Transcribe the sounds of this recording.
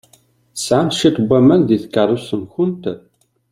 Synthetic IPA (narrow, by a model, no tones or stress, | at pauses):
θəsʕamʃit̪bʷːæmænðiθkːərˤːusənçʊnt̪